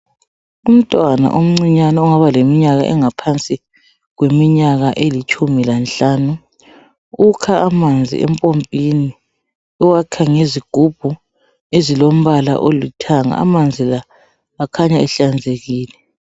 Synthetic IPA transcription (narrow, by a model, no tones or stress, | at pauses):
um̩tʼwana̰ʔom̩ŋ͡ǀiɲanauŋaβalemiɲaɣa̰ʔɛŋapʰant͡sʼi | ɣwemiɲaɣaʔelit͡ʃʼumilanɬaːnu | ukʰaamand͡zʱḭʔɛ̰mpʼompʼini | ɛwakʰaŋeziɡ̥ʱub̥ʱu | ezilom̩βala̰ʔolitʰaŋa̰ːmand͡zʱilaː | kʰaɲaɛɬand͡zʱeɣiːlɛ